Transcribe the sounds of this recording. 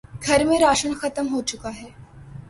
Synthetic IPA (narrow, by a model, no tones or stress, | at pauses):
ɡʱəɾmẽɾaʂəɳxət̪əmɦot͡ɕukaɦɛː